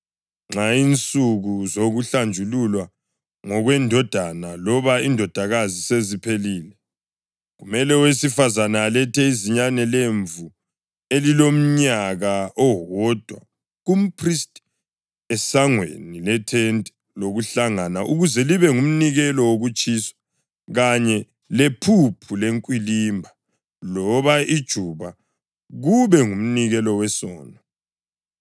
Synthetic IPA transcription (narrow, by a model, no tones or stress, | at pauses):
ŋ͡ǁaint͡sʼuɣuzoɣuɬand͡ʒʱululwa | ŋɔɣwɛndʱɔd̥ʱanalɔβaindʱɔd̥ʱaɣazisezipʰeliːlɛ | ɣumɛlɛwesifazanaːlɛtʰɛiziɲanɛleɱvu | elilom̩ɲaɣaʔɔɦɔd̥ʱwa̰ | ɣum̩pʰristʼ | ɛsaŋwḛnilɛtʰɛntʼɛ̥ | loɣuɬaŋanaʔuɣuzɛliβɛŋum̩niɣɛlɔwoɣut͡ʃʼiswḁ | ɣaɲɛ | lepʰupʰuleŋkʼwilimbʱa | lɔβaid̥ʒ̥ʱuβa | ɣuβɛŋum̩niɣɛlɔwɛsɔ̰ːnɔ